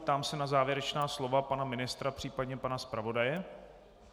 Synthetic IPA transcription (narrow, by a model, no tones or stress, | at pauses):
t̪aːmsɛnazaːvjɛɾɛt͡ʃnaːslo̞vapanamɪnɪst̪ɾapr̥iːpadɲɛpanaspɾavo̞dajɛ